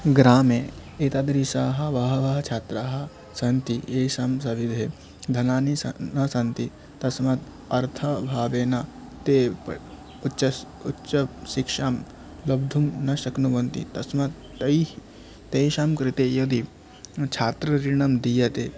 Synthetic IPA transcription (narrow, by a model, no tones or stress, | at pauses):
ɡɾaːmeet̪ɐd̪ɾisaːɦɐ̆ʋɐɦɐʋɐɦɐt͡ʃʰaːt̪ɾaːɦɐ | sɐnt̪ieːʃamsɐʋid̪ʱeː | d̪ʱɐnaːnisɐnɐsɐnt̪i | t̪ɐsmɐt̪ | ɐɾt̪ʰɐbʱaːʋeːnɐ | t̪e | ut͡ʃɐ | utːt͡ʃɐʃikʂaːm | lɐbd̪ʱumnɐʃɐknuʋɐnt̪ḭt̪ɐsmɐt̪ː | ɐj | t̪ejʃaːmkɾɪt̪eːjod̪i | t͡ʃʰaːt̪ɾɐɾiɳɐmd̪ijɐt̪eː